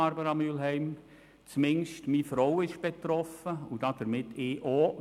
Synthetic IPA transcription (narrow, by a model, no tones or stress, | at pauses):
ɑɾbəɾɑmylɦɛɪm | t͡smɪnʃtmiːfɾowɪʃb̥et̪ɾɔfəʊd̥ɑd̥əɾmɪtɪːʔo